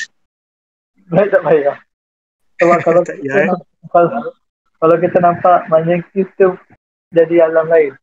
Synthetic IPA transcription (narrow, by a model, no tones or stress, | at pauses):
lajt̪aʔbaja | sɔbap̚kalawkit̪əna | kala | kalawk̬it̪ənampaʔmaɲəkist̪u | d͡ʒadialamlaɪn